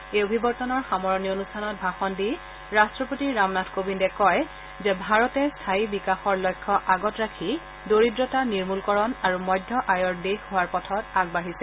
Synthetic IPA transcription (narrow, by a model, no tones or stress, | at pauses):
eobʱibɔɹtɔnɔɹxamɔɹɔnionustʰanɔt̚bʱaxɔndi | ɹastɹɔpotiɹamnatʰkobindɛkɔj | zɛbʱaɹɔtɛstʰaibikaxɔɹlɔjkʰːɔʔaɡɔtɹakʰi | doɹidɹɔtaniɹmulkɔɹɔnaɹumɔjdʱːɔʔajɔɹdexɦʊwaɹpɔtʰɔtaɡ̚baɦisɛ